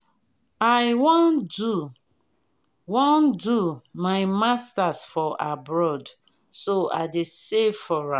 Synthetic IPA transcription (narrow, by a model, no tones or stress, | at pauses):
aɪwondu | wõndumaɪmastasfɔʔa̰bɹɔd | soa̰ɪdesefɔɹã